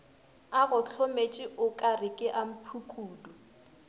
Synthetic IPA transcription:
aɣʊɬʰomet͡ʃʼɪʔʊkʼarɪkʼɪʔam̩pʰukʰuːdɔ

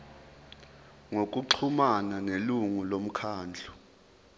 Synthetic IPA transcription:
ŋokʼuǃʰumananeluŋulom̩kʰaːnd͡ɮʱu̥

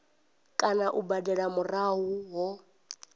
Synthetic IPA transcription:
kʼanaʔubadɛɺamuraɦuɦɔ

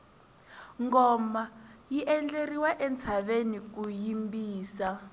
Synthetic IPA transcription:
ŋɡɔmajiʔɛnd͡ɮeriwaʔɛnt͡sʰaβenik̬ujimbiːsa

